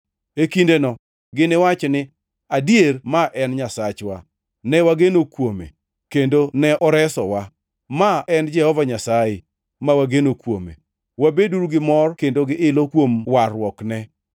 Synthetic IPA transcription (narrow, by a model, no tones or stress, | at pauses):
ekindenɔ | ɡɪnɪwat͡ʃnɪ | adjermaʔɛnɲasat͡ʃwa | nɛwaɡenokwomḛ | kendonɛʔɔɾɛsɔwa | maɛnd͡ʒɛhɔvaɲasajɪ | mawaɡenokwomḛ | wabeduɾuɡɪmɔrkendoɡɪʔɪlokwomwaɾwɔknɛ